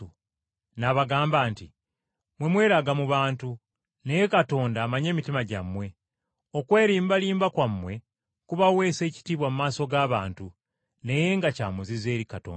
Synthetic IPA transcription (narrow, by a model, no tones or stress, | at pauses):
u | naβaɡaːmbaːnti | mwe̞mwe̞ːɾaɡamuβaːntu | ne̞je̞kato̞ːndamaɲe̞ːmitimaɟamːwe̞ | o̞kwe̞ːɾiːmbaliːmbakwamːwe̞ | kuβawe̞ːse̞ːci̥tiːβwamumaːso̞ɡaːβaːntu | ne̞je̞ŋɡacaːmuzize̞ːɾikato̰ːn